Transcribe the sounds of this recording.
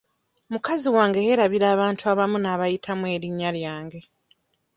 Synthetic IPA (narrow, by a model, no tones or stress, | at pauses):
mukaziwaːŋɡe̞he̞ɾaβiɾaːβaːntʰuaβamunaːβajitʰamwe̞ːɾiɲːaljaːŋɡe̞